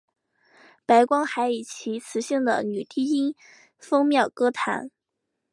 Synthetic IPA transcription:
pa˧˥ɪkwɑ˥ŋxa˧˥ɪi˨˩t͡ɕʰi˧˥t͡sʰɹ̩˧˥ɕi˥˩ŋd̪ə̰˩ny˨˩t̪i˥˩i˥n | fɤ˥ŋmjɑ˥˩ʊkɤ˥t̪ʰa̰˧˥n

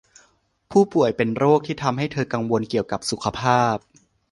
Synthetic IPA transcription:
pʰuː˥˩pu˨˩əjpe˧nɾoː˥˩k̚t̪ʰiː˥˩t̪ʰa˧mɦa˥˩jt̪ʰɤː˧ka˧ŋwo˧nki˨˩əwka˨˩p̚su˨˩kʰa˧pʰaː˥˩p̚

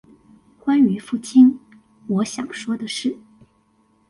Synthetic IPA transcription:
kwa˥ny˧˥fu˥˩t͡ɕʰi˥n | wɔ˧˥ɕjɑ̰˨˩ŋʂwɔ˥d̪ə˨ʂɻ̩˥˩

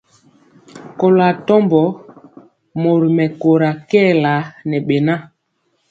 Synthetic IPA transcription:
ko˨la˨tɔ˦mbɔ˨˦ | mo˨ɾi˨mɛ˨ko˨ɾa˨kɛ˦˨la˨˦nɛ˨ɓe˨na˦˨

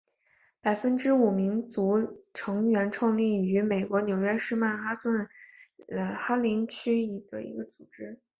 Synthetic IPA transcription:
pa˨˩ɪfə˥nʈ͡ʂɻ̩˥u˨˩mi˧˥ŋt͡su˧˥ʈ͡ʂʰɤ˧˥ŋɥɛ˧˥nʈ͡ʂʰɑ˥˧ŋli˥˩y˧˥me˨˩ɪkwɔ˧˥njo˨˩ʊɥɛ˥ʂɻ̩˥˧ma˥˩nxa˥swə˥˩n˧˩ | xa˥li˧˥nt͡ɕʰy˥i˨˩d̪̥ə̰˦ḭ˧˥ɡə˧t͡su̥˨˩ʈ͡ʂɻ̩˥

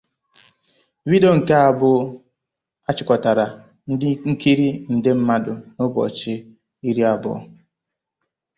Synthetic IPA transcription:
wi˦do˦ŋ̩˨ke˦a˨bʊ˦ | a˦t͡ʃɪ˨kɔ˨ta˨ɾa˨˦ | ŋ̩˦kʰi˦ɾi˦n̩˨dɪ˦m̩˦ma˦dʊ˨nʊ˦bɔ̰˨t͡ʃɪ˦ | i˦ɾi˦a˨bʊ̰˦˨

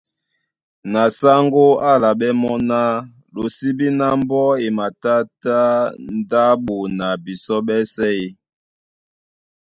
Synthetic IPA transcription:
na˨sa˦ŋɡo˦a˦la˨ɓɛ˦mɔ˦na˦ | lo˨si˦bi˦na˦mbɔ˦e˨ma˨ta˦ta˦n˦da˦ɓo˨na˨bi˨sɔ˦ɓɛ˦sɛ˦i˦

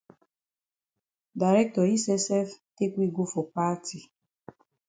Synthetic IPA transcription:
da˨ɾɛ˦k̚tɔ˨i˦sɛ˦sɛ˦fte˦kʷi˦ɡʷu˦fo˨pa˦tʰi˨

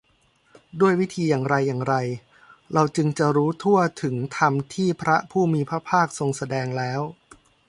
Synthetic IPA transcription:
du˥˩əjwi˦˥t̪ʰiː˧jaː˨˩ŋɾa˧jːaː˨˩ŋɾa˧j | ɾa˧wt͡ɕɯ˧ŋt͡ɕa˨˩ɾuː˦˥t̪ʰu˥˩ɐt̪ʰɯ˩˦ŋt̪ʰa˧mt̪ʰiː˥˩pʰɾa˦˥pʰuː˥˩miː˧pʰɾa˦˥pʰaː˥˩k̚so˧ŋsa˧dɛː˧ŋlɛː˦˥w

